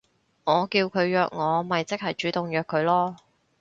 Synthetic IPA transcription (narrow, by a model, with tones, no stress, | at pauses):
ŋɔː˨˧kiː˧wkʰɵ˨˧ɥjœː˧k̚ŋɔː˨˧mɐ˨jt͡sɪ˥k̚hɐ˨jt͡ʃyː˨˥t̪ʊ˨ŋjœː˨˧kʰːɵ˨˧ɥlɔː˥